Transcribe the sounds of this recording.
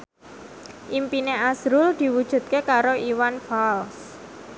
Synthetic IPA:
ʔimpineasɾʊld̪̥i̤wud̥ʒ̥ṳt̪̚kekaɾoiwanfals

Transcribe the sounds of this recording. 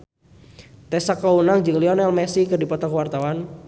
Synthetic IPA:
t̪ɛsakaunaŋd͡ʒɨŋliɔnɛlmɛsikɨrdipɔt̪akuwart̪awan

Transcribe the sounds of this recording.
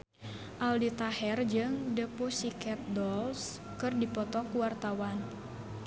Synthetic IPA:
ʔaldit̪ahɛrd͡ʒɨŋdəposikɛt̪̚dɔls | kɨrdipɔt̪ɔkuwart̪awan

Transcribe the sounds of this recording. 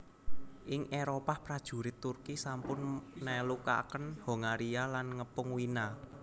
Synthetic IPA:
ʔɪŋʔeɾopahpɾad̥ʒ̥ṳɾɪt̪ːurkisampʊnːɛluka̰kənho̤ŋaɾialanŋəpʊŋwina

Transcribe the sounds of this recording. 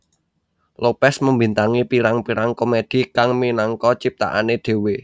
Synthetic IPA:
lopɛsməmbi̤nt̪aŋipiɾaŋpiɾaŋkomed̪̥i̤kaŋminɔŋkɔt͡ʃip̚t̪a̰ʔa̰ned̪̥e̤we

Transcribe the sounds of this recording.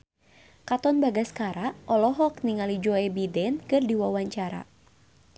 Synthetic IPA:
kat̪ɔnbaɡaskaɾaʔɔlɔɦɔk̚niŋalid͡ʒɔɛbidɛnkɨrdiwawaɲt͡ʃaɾa̰

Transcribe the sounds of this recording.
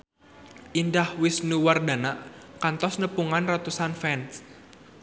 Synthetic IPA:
ʔindahwɪsnuwardanaʔkant̪ɔsnəpuŋanrat̪usanfɛns

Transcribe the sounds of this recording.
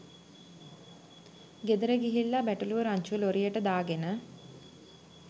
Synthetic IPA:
ɡed̪əɾəɡiɦilːabæʈuluʋəɾaɲt͡ʃuəloɾijəʈəd̪aːɡenə

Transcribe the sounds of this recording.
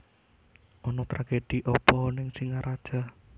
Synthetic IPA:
ɔnɔt̪ɾaɡ̥ed̪̥iʔɔpɔnɪŋsiŋaɾʔad̥ʒ̥a̤

